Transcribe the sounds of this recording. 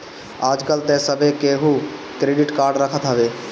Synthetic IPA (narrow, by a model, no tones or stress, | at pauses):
aːd͡ʒkəlt̪ɛ̃səbʱekeːɦu | kɾeːɖɪʈkaːɾɖɾəkʰət̪ɦəʋeː